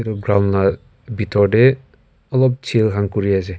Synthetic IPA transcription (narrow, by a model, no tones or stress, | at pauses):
ɾɔɡɾawnla | bitʰɔɾde | ɔlɔp̚t͡ʃʰilɦaŋkuɾiase